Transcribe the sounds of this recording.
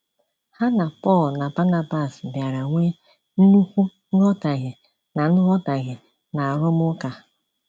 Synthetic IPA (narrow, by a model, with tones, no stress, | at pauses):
ha˦na˨pɔ˦˨lna˨ba˦na˦ba˦˨sbja˨ɾa˨ŋʷe˦ | n̩˦nu˦kʷu˦n̩˦ɾɔ˦ta˨ɣɪ˨ | na˨n̩˦ɾɔ˦ta˨ɣɪ˨ | na˨a˨ɾʊ˦m˦ʊ˦ka˨˦